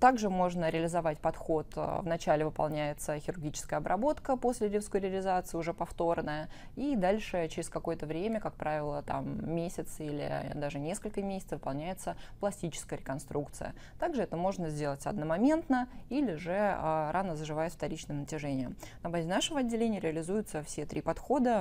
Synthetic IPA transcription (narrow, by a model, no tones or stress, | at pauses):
t̪aɡʐɨmo̞ʐnəɾʲɪɐlʲɪzɐvatʲpɐt̪xo̞t̪vnɐt͡ɕælʲɪvɨpɐ̰lˠnʲæjɪt̪səxʲɪɾʊrɡʲit͡ɕɪskəjəɐbɾɐbo̞t̪kəpo̞sʲlʲɪɾʲɪfskojɾʲɪəlʲɪzat̪sɨɪʊʐɛpɐft̪o̞rnəjə | id̪alʲʂɨt͡ɕɪɾʲɪskɐko̞jət̪əvɾʲemʲəkak̚pɾʔavʲɪlˠət̪a̰mːʲesʲɪt̪silʲɪ̰d̪aʐɨnʲe̞skəlʲkəmʲesʲɪ̥t̪svɨpɐlˠnʲæjɪt̪səplˠɐsʲtʲit͡ɕɪ̥skəjəɾʲɪkɐnst̪ɾukt̪sɨ̰jə̰ | t̪aɡʐɨɛt̪əmo̞ʐnəzʲdʲe̞lˠətʲɐ̰d̪̚nəmɐmʲe̞nt̪nəilʲɪʊʐɛəɾanəzəʐɨvajɪt̪ft̪ɐɾʲit͡ɕnɨjənətʲɪʐɛnʲɪjəmnɐbazʲɪnaʂɨvəɐdʲːɪlʲenʲɪjəɾʲɪɐlʲɪzujʊt̪səfsʲet̪ɾʲipɐt̪xo̞d̪ə